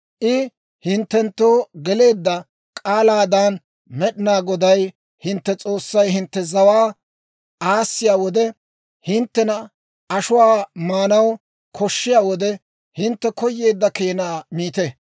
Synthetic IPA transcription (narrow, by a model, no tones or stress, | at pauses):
ʔɪ | hɪnt̪ːɛnt̪ːo̞ːɡɛle̞ːd̪ːɐ | kʼaːlaːd̪aːn | mɛɗɪnaːɡɔd̪ɐj | hɪnt̪ːɛt͡sʼo̞ːsːɐjɦɪnt̪ːɛzɐwaː | ʔaːsːɪjaːwɔd̪ɛ | hɪnt̪ːɛnɐ | ɐʃʊwaːmaːnɐw | kʰɔʃːɪjaːwɔd̪ɛ | hɪnt̪ːɛkɔjːe̞ːd̪ːɐkeːnaːmiːt̪ɛ